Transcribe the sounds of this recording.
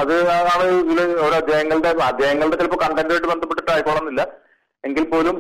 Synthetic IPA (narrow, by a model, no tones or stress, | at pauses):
ɐðɨɐaːɳɨiilɐoɾuɐd̪jaːjɐŋːɐɭɖeɐd̪jaːjɐŋːɐɭɨɽeɐlpːokɐɳɖɐkdɐjiʈ̬ːɨbend̪ɐpːeʈːiʈːaːjikːoːɭɐnːilːɐ | e̞ŋɡilpo̞ːlum